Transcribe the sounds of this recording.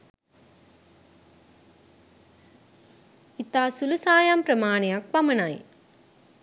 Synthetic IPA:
it̪ːaːsulusaːjaːmpɾɐmaːniɐk̚pɐmɐnaːj

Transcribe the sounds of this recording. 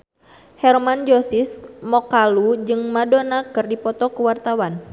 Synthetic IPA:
hɛrmand͡ʒosɪsmɔkalud͡ʒɨŋmadonakɨrdipɔt̪ɔkəwart̪awan

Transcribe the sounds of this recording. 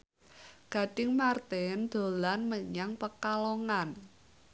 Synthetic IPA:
ɡ̥ä̤ɖ̥ɪŋmart̪ɛnd̪̥o̤lanməɲaŋpəkaloŋan

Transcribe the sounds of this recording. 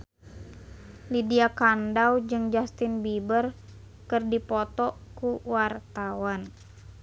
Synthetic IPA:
lidiakandawd͡ʒɨŋd͡ʒast̪ɪnbibər | kɨrdipɔt̪ɔkuwart̪awan

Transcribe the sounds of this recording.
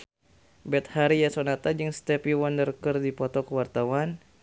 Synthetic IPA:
bɛt̪̚haɾijasonat̪ad͡ʒɨŋst̪ɛpiwɔndərkərdipɔt̪ɔkəwart̪awan

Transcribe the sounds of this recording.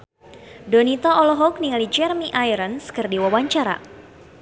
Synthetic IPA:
dɔnit̪aʔɔlɔɦɔk̚niŋalid͡ʒɛrmiʔajɾənskɨrdiwawaɲt͡ʃaɾa̰

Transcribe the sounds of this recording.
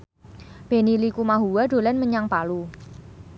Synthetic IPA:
b̥e̤nilikumaɦuwaɖ̥o̤lɛnməɲaŋpalu

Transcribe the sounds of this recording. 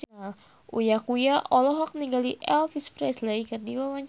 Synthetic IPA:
ujakujaʔɔlɔɦɔk̚niŋɡaliʔɛlfisfɾɛslejkɨrdiwawaɲ

